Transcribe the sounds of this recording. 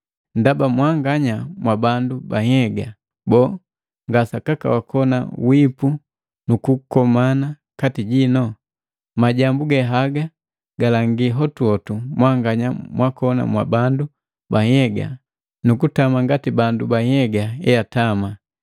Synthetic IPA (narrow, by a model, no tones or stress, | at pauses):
ndabamwaŋɡaɲamwabandubahɛɡa | bɔː | ŋɡasakaka̰wakʰɔna̰wipu | nukukɔmana | katiɟinɔ | maɟambuɡɛɦaɡa | ɡalaŋɡiɦɔtuɔtumwaŋɡaɲamwakɔna̰mwa̰bandu | baɲɛɡa̰ | nukutamaŋɡatibandubahɛɡaɛjatama